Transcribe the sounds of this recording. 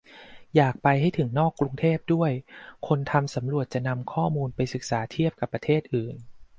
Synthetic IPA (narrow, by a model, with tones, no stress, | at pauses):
jaː˨˩k̚pa˧jɦha˥˩jt̪ʰɯ˩˦ŋnɔː˥˩kːɾu˧ŋt̪ʰeː˥˩p̚du˥˩əjkʰo˧nt̪ʰa˧msa˩˦mɾu˨˩ət̪̚t͡ɕa˨˩na˧mkʰɔː˥˩muː˧npa˧jsɯ˨˩k̚saː˩˦t̪ʰi˥˩əp̚ka˨˩pːɾa˧t̪ʰeː˥˩t̪̚ʔɯː˨˩n